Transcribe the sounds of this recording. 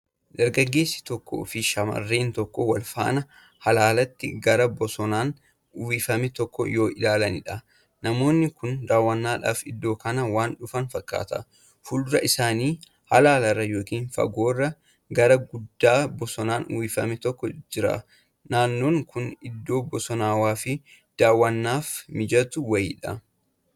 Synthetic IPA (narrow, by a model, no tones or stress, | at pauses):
d̪̥ɐɾɡɐɡːe̞ːsːɪ̥t̪ɔkːo̰ːfɪʃɐmɐ̰rːeːnt̪ɔkːɔwɐlfa̰ːnɐ | hɐlaːlɐt̪ːɪɡɐɾɐbɔsɔnaːn | ʊwiːfɐmɛt̪ɔkːɔ̰jo̞ːʔɪlaːlɐnɪᶑɐ | nɐmo̞ːnːɪkʊnd̪aːwːɐnːaːᶑa̰ːfɪd̪ːo̞ːkɐnɐwaːnᶑʊfɐnfɐkʼːa̰ːt̪ɐ̰ | fʊlɾɐʔɪsaːniː | hɐlaːlɐrːɐjo̞ːkiːnfɐ̰ɡoːrːɐ | ɡɐɾɐɡʊd̪ːaːbɔsɔnaːnʔʊ̰wiːfɐ̰mɛt̪ɔkːɔd͡ʒɪɾa̰ː | naːnːo̞ːŋkʰʊnɪd̪ːo̞ːbɔsɔnaːwaːfɪ | d̪̥aːwːɐnːaːfmɪd͡ʒɐt̪ʊwɐjɪ̰ːᶑɐ